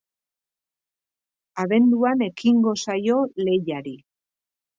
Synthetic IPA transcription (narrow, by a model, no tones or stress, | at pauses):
aβe̞nd̪uane̞kiŋɡo̞sajo̞le̞jaɾi